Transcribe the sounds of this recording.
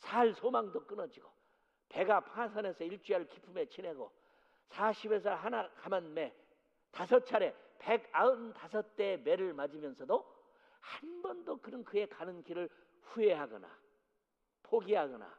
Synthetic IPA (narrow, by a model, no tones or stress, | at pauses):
sʰaɭsʰomaŋdok͈ɯnʌd͡ʑiɡo | pe̞ɡapʰasʰane̞sʰʌiɭt͡ɕ͈ɥiaɭkipʰume̞t͡ɕʰine̞ɡo̰ | sʰaɕʰibes̬ʰʌɦanakamanme | tasʰʌt͡ɕʰaɾe̞pe̞ɡaɯntasʰʌt͈e̞me̞ɾɯɭmad͡ʑimjʌnsʰʌdo | hanbʌndokɯnɯnkɯe̞kanɯnkiɾɯɭ | ɸue̞ɦaɡʌna̰ | pʰoɡiɦaɡʌna̰